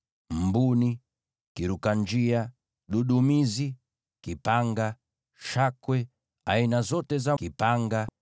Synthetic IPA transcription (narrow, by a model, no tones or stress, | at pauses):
m̩buni | kiɾukaɲd͡ʒia | ɗuɗumizi | kipaŋɡa | ʃakwɛ | ainazɔtɛzakipaŋɡa